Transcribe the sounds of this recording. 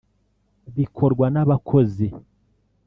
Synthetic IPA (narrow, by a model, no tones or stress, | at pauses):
βikʰo̞ɾɡwanaβakʰo̞ze